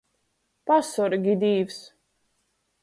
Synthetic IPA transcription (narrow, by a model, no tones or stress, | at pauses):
pasɔɾɡid̪iːvs